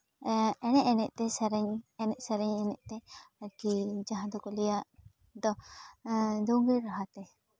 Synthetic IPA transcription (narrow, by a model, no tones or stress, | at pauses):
ɛnɛʔɛnɛʔt̪ɛsɛɾɛɲɛnɛʔsəɾɛɲɛnɛʔt̪ɛəɾkid͡ʒaɦãd̪ɔkɔlɛjaʔ | d̪ɔ | d̪ɔɡeɾɾaɦat̪ɛ